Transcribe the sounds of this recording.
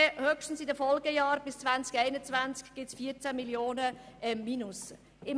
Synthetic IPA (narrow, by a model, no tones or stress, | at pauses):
høkʃtn̩sɪdəfɔlɡəjɑːɾb̥ɪst͡svant͡skɛɪnət͡svant͡skɡ̥ɪtsfiːəɾt͡sæmiljoːnəɛmminʊs | ɪm